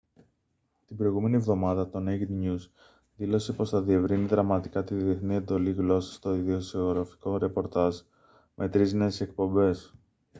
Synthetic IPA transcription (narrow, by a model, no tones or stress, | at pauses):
t̪imbɾo̞iɣume̞nie̞vðo̞mɐðɐt̪o̞neɣd̪ɲus | ðilo̞se̞po̞sθɐðie̞vɾiniðɾɐmɐt̪ikɐt̪iðie̞θnie̞nd̪o̞liɣlo̞sɐ̥st̪o̞iðiosoɣɾɐfi̥ko̞ɾe̞po̞ɾt̪ɐʒ | mʔe̞t̪ɾizne̞ːse̞k̚po̞mbe̞s